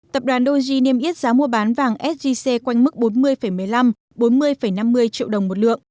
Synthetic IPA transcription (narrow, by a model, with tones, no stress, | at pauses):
t̪ə˨˩p̚ɗwaː˨˩˦nɗo˧zi˧ni˧əmʔi˦˥ət̚zaː˨˦mu˧əɓaː˨˦nvaː˧˩ŋʔɛ˦˥t̚zi˧se˧kwa˧jŋ̟mɨ˦˥k̚ɓo˨˦nmɨ˧əjfə˧˩jmɨ˧˩əjla˧m | ɓo˨˦nmɨ˧əjfə˧˩jna˧mːɨ˧əjt͡ɕḭ˧˨əwɗə˨˩wŋ͡mmo˨˩t̚lɨ̰˧˨əŋ